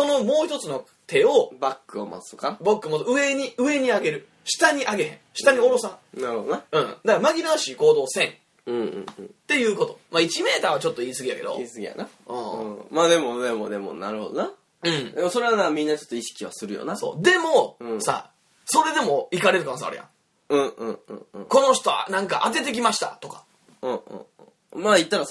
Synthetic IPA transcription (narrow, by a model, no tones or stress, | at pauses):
so̞no̞mo̞ːçi̥t̪o̞t͡sɨno̞ | t̪ʰe̞o̞bakːɯoma̰t͡sɨ̥t̪okabakːɯmat͡sɯ̟e̞ɲ̟iɯ̟e̞ɲ̟iaɡe̞ɾɯ̟ | ɕi̥t̪aɲ̟iʔaɡe̞hẽ̞ɕi̥t̪aɲ̟io̞ɾo̞sanaɾɯhod̪onaɯ̟̃ːd̪akmaɡʲinaɕiːko̞ːd̪o̞ːsẽ̞n | ɯ̃ɯ̰̃t̪e̞jɯ̟ːko̞t̪o̞mait͡ɕime̞ːt̪aːβat͡ɕo̞t̪ːoiːsɨɡijake̞̰d̪o̞̰isɨɡʲija̰naɯ̰̃ːmaːd̪e̞mo̞d̪emod̪e̞mo̰naɾɯ̟ho̞d̪ona | dɯ̟̃ɴd̪emoso̞ɾe̞βanamʲĩnːat͡ɕt͡ʃot̪ːoiɕi̥kʲiβa̰sɨɾɯ̟jo̞̰naso̞̰ːd̪e̞mo̞sa̰ | so̞ɾe̞d̪e̞mo̞ikaɾe̞ɾɯ̟kanosa̰ɾḛjã̰ | ɯ̃ːɯ̃ːɯ̰̃ko̞no̞ɕ̬i̥t̪o̞a̰nãŋkaʔat̪̬e̞t̪̬e̞k̬ʲimaɕi̥t̪a̰t̪o̞kḁ | ɯ̃ːɯ̰̃ | mait̪ːaɾa